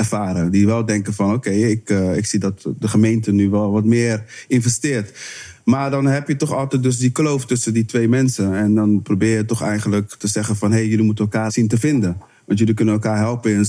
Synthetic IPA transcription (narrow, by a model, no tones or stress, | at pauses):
ɛrfaːɾədiʋɛlˠdɛŋkəfɔnoːkeɪɪkɪksidɔtdəχəmejntənyʋɛlˠʋɔtmɪːrɪnvɛstɪːt | maːɹdɔnɦɛpjətɔχɔlˠtɛtdøs̬diklowftɵsənditʋejmɛnsəɛndɔnprobɪːjətɔχɛ̰jχənləktəzɛχənfɔnɦejjəlimutəɛlˠkaːsintəfɪndə | ʋɑntjəlikønənɛlˠkaːɹɦɛlˠpən